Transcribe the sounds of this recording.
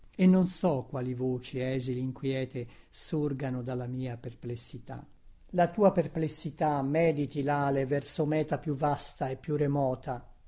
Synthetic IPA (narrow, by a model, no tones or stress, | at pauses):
enːonsɔkːwaːlivoːt͡ʃiɛːziliŋkwjɛːt̪esurɡanod̪alːamiːaperplesːit̪a̰ | lat̪uːaperplesːit̪amɛːd̪it̪ilaːlevɛrsomɛːt̪apjuvast̪aepːjuremɔːt̪a